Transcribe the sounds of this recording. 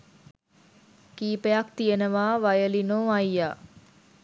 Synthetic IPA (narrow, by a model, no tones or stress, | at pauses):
kiːpejakt̪ijənəʋaːʋajəlinoːajːaː